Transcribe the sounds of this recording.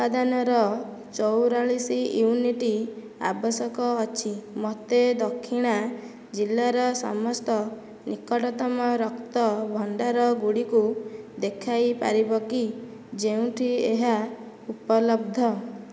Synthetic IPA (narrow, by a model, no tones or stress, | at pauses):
upad̪anɔɾɔ | t͡ʃɔwɾaɭisijuniʈi | a̰bɔsɔkɔːt͡ʃʰimɔt̪ed̪ɔkʰːiɽ̃a | d͡ʒilːaɾɔsɔ̰mɔst̪ɔ | nikɔʈɔt̪ɔmɔɾɔkt̪ɔbʱɔɳɖaɾɔɡuɽikud̪ekʰajpa̰ɾibɔki | d͡ʒeũʈʰieɦa | upɔlɔb̚d̪ʱɔ